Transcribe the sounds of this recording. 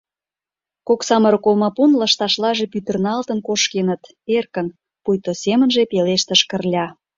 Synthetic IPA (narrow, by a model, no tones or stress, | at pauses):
koksɑmə̆ɾəkolmɑpunlɑʃt̪ɑʃlɑʒepyt̪ə̆rnɑlt̪ənkoʃkenət̪ | erkə̆n | pujt̪osemənʒepeleʃt̪əʃkə̆rlʲɑ